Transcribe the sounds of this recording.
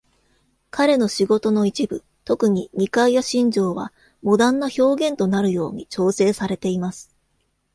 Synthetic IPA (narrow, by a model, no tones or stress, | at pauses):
kaɾe̞no̞ɕiɡo̞t̪o̞no̞it͡ɕibɯ̟ | t̪o̞kɯ̟ɲ̟iɲ̟ʲikaijaɕĩɲ̟d͡ʑo̞ːβa̰ | mo̞d̪ãnːaço̞ːɡẽ̞nt̪o̞naɾɯ̟jo̞̰ːɲ̟it͡ɕo̞ːse̞ːsaɾe̞t̪e̞imasɨ̥